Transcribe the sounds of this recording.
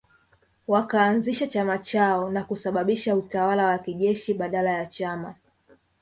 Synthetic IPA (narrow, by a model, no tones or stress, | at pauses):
wakaːnziʃat͡ʃamat͡ʃaɔnakusaɓaɓiʃautawalawakiʄɛʃiɓaɗalajat͡ʃama